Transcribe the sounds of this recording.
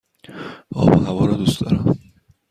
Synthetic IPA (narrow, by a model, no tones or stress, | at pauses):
ɒ̰ːbɒ̰hævɒːɾɒd̪ust̪ɒ̰ːɾæm